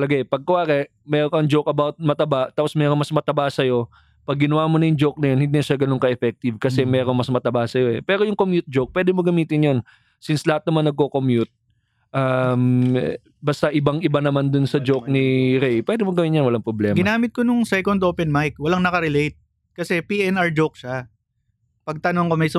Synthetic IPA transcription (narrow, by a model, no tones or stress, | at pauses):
tɐlɐɡaʔɛpɐɡ̚kʊʔaːkɛ | mɛːɾokɐŋd͡ʒokɐbawt̪̚mɐt̪ɐbat̪ːaːposmɛːɾomɐsmɐt̪ɐbaːsɐjo̞ | pɐɡːɪnɐwaːmonɐjʊŋd͡ʒok̚nɐjonhɪnd̪iːnɐʃaɡɐno̞ŋkɐʔɛfɛk̚t̪ɪvkɐsɛmɛːɾoŋmɐsmɐt̪ɐbaːsɐjo̞ʔɛpɛːɾo̞jʊŋkomjʊt̪̚d͡ʒok̚pwɛːd̪ɪmoɡɐmiːt̪ɪnjon | sinslɐhat̪̚nɐmanːɐɡ̚kokomjut̪̚ | ʔam | bɐst̪aʔɪbaŋʔɪbanɐmand̪ʊnsɐd͡ʒok̚nɪɾɛjpwɛd̪ɪmoɡɐmɪnɲjɐnwɐlaŋpɾoblɛ̰mɡɪnaːmɪt̪̚konʊŋsɛjkond̪oːpɛnmajk̚wɐlaŋnɐkɐɾɪlejt̪̚ | kɐsɛpiɛnaɹd͡ʒowk̚ʃa | pɐɡ̚t̪ɐnoŋkomɐjs